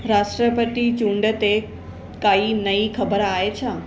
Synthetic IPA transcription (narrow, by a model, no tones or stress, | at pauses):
ɾaʃʈɾəpət̪it͡ʃũɳɖət̪e | kaːinəikʰəbəɾaːet͡ʃʰaː